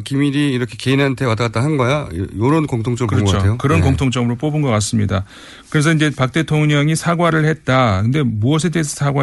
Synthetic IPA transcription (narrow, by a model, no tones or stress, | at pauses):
kimiɾiːɾʌkʰe̞ke̞inɦantʰe̞wataat͈aɦannɡʌjajoɾonkoŋtʰoŋt͡ɕ͈ʌokɯɾʌt͡ɕʰoejokɯɾʌnkoŋtʰoŋt͡ɕ͈ʌmɯɾop͈obɯnɡʌk͈as͈ɯmɲida | kɯɾe̞sʰʌiɲd͡ʑe̞pak̚t͈e̞tʰoŋɲʌŋisʰaɡwaɾɯɭhe̞t̚t͈akɯnde̞muʌsʰe̞deːsʰʌsʰaɡwa